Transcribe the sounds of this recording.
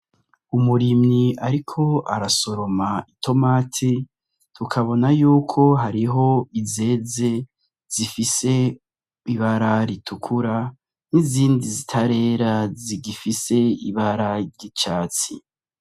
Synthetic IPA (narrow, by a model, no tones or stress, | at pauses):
umuɾimɲiʔaɾikʰo̞aɾaso̞ɾo̞maitʰo̞maːtʰi | tukʰaβo̞najuːkʰo̞ɦaɾiɦo̞ize̞ːze̞ | z̥ifise̞ | iβaɾaɾitʰukʰuɾa | niziːndizitʰaɾe̞ːɾaziɡifise̞ḭβaɾaɾɟit͡ʃaːt͡sḭ